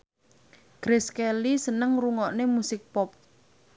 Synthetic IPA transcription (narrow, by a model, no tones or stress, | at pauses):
ɡ̥ɾɪskelisənəŋruŋɔʔnemusɪk̚pɔp̚